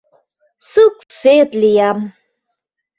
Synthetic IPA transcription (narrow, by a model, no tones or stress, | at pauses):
suk̚set̪lijam